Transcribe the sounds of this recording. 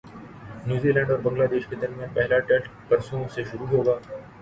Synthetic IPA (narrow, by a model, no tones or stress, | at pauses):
njuːzilɛ̃ːɳɖɔːɾbɐ̃ŋɡlaːd̪eːʃked̪ɐɾmijaːnpɛɦlaʈɛʈ | pɐɾsõseʃʊɾuɦoːɡaː